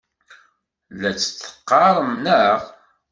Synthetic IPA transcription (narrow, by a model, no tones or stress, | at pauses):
læt͡sːə̥θə̥qːɑɾˤəmnəʁ